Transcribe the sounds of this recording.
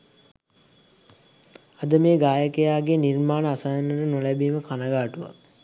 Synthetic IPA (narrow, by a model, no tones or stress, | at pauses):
ad̪əmeːɡaːjəkəjaːɡenirmaːnəasajənːəʈənolæbiːməkʰanəɡaːʈuʋa̰